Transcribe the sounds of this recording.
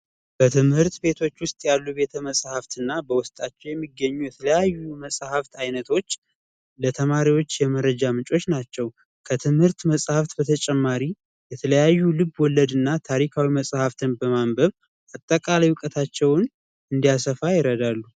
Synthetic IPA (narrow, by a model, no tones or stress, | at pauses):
b̥ət̪ʰɨmhɨɾt̪be̞t̪ʰo̞t͡ʃːwʊst̪ʼjalːube̞t̪ʰəməsʼhaft̪ɨnːabəwʊst̪ʼat͡ʃːɛwjɛmːiɡːəɲːujɛt̪ʰələjajːuməsʼhaft̪ajnət̪ʰo̞t͡ʃː | lət̪ʰəmaɾiwo̞t͡ʃːjɛməɾəd͡ʒamɨt͡ʃʼo̞t͡ʃːnat͡ʃːɛw | kʰət̪ʰɨmhɨɾt̪məsʼhaft̪bət̪ʰət͡ʃʼɛmːaɾi | jɛt̪ʰələjajːulɨbwɔlːəd̪ɨnːat̪ʰaɾikʰawiməsʼhaft̪ʰɨnbəmambəβ | ʔat̪ʼːəkʼalajwʊkʼət̪ʰat͡ʃːɛwn | ɨnd̪ijasəfajɪɾəd̪alːu